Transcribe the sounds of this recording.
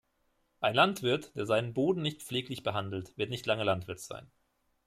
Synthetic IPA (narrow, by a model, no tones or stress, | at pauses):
ʔaɪnlantv̥ɪɐtd̥eːɐzaɪnənboːdn̩nɪçt̪̚p͡fleːklɪçb̥əɦandl̩tv̥ɪɐtnɪçtlaŋəlantv̥ɪɐtz̥a̰ɪn